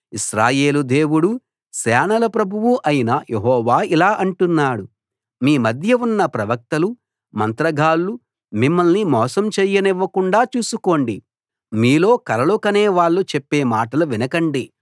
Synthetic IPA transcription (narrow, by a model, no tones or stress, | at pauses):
iʃɾaːje̞ːlud̪e̞ːwuɽu | sɛːnɐlɐpɾɐbʱuʋuʔɐjinɐjʔeɦɔːʋaːilaːʔɐɳʈunːaːɽu | miːmɐd̪ʱjɐunːɐpɾɐʋɐk̚t̪ɐlu | mɐnt̪ɾɐɡʱaːlːu | mimːɐlnimɔːsɐmt͡ʃɛːjːɐnɛʋːɐkuɳɖaːt͡ʃuːsuko̞ːɳɖi | miːlo̞ːkɐɾɐlukɐneːʋaːɭːut͡ʃepːe̞ːmaːʈɐluʋinɐkɐɳɖi